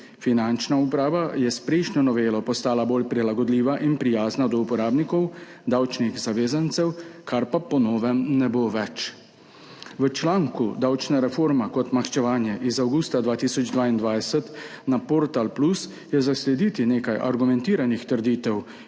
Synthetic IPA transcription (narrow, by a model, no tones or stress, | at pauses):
finant͡ʃnaupɾaːʋajɛspɾɛjʃnʲjɔnɔʋeːlɔpɔst̪aːlaboːlpɾilaɡɔd̪liːʋaʔinpɾijaːznad̪ɔupɔɾaːbnikɔw | d̪awt͡ʃnixzaʋeːzant̪sɛwkʰaɾpapɔnɔːʋɛmnɛboʋɛt͡ʃ | ʋət͡ʃlaːŋkud̪awt͡ʃnɛɾɛfoːɾmakɔt̪maxt͡ʃɛʋaːnjɛʔizawɡuːst̪ad̪ʋaːt̪isɔd͡ʒd̪ʋaːind̪ʋajsɛt̪napɔɾt̪alplus | jɛzaslɛd̪it̪ineːkajʔa̰ɾɡumɛnt̪iːɾanixt̪əɾd̪iːt̪ɛw